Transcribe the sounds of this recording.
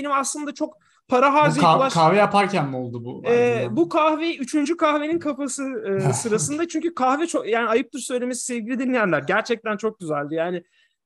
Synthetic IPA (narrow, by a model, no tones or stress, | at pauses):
enimaslˠɯnd̪at͡ʃʰo̞k̚ | pʰaɾaɦaːzlˠaʃkʰahvɛjapʰaɾcʰænmolˠd̪ubuɛːbukʰahvejyt͡ʃʰynd͡ʒykʰaxve̞ninkʰapasɯɯːsɯɾasɯnd̪at͡ʃʰyɲcykʰaxvɛt͡ʃʰokjaːnɪajɯp̚t̪ʰɯɾsø̞jlʲe̞mesi̥sɛvɟilʲid̪inːʲijænlʲæɾɟæɾt͡ʃʰɛc̚t̪ænt͡ʃʰo̞k̚ɟyzælʲd̪ɪjaːnɪ